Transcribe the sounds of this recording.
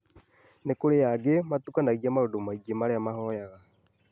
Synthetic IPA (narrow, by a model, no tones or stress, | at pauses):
nekoɾejaɡemat̪ukanaiɣiamaodomaiɡemaɾeamahɔjaɣa